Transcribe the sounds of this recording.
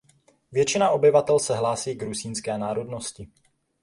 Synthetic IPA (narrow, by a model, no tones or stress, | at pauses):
vjɛt͡ʃɪnaʔo̞bɪvat̪ɛlsɛɦlaːsiːɡɾusiːnskɛːnaːɾo̞dno̞scɪ